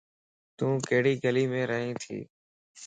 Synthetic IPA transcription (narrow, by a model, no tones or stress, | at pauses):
t̪ũːkəɦɽiːɡəliːmẽːɾəɦĩːt̪ʰḭː